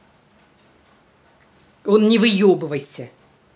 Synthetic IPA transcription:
onnʲɪvɨjobɨvəjsʲə

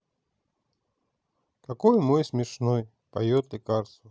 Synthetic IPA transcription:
kakojmojsmʲɪʂnoj | pajot̪ɪkaɾsu

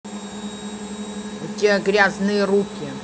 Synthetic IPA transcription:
t̪ʲeɡɾʲaznɨjəɾukʲɪ

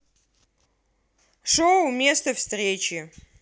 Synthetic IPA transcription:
ʂowumʲeːst̪ɐfst̪rʲeːt͡ʃe

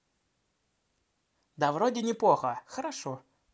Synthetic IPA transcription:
d̪ɐvɾodʲɪnʲɪplˠoxəxəɾaʂo

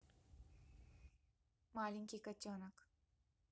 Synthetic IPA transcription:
maːliŋkikɐt͡ɕːoːnɐk

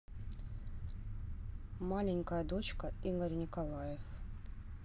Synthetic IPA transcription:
malʲɪnʲkəjəd̪o̞t͡ɕkəiɡərʲnʲɪkɐlˠajɪf

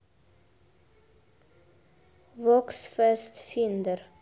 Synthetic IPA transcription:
ʋɔksfɛst̪fɪnd̪əɾ

